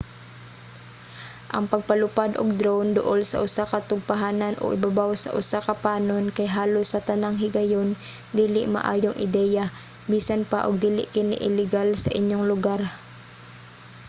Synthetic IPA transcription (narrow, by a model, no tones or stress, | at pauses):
ʔɐŋpɐɡ̚pɐlʊpad̪ʔo̰ɡ̚d̪ɾownd̪ʊʔolsɐ̰ʔʊsakɐt̪ʊɡ̚paɦaːnɐnʔo̰ɡɪ̰babawsɐ̰ʔʊsakɐpaːnonkɐjɦaːlosːɐt̪ɐnaŋɦɪɡɐjon | d̪iːlɪʔmɐ̰ʔa̰ːjoŋʔɪ̰d̪ɛːja | biːsanpaʔoɡ̚d̪iːlɪ̰ʔkɪnɪ̰ʔɪlɪɡalsɐ̰ʔɪɲjoŋlʊɡaɾ